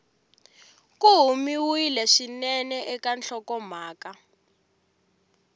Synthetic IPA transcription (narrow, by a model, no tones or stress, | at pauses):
kuɦumiwilɛʃinɛnɛʔɛkant͡ɬɔkɔm̤aːka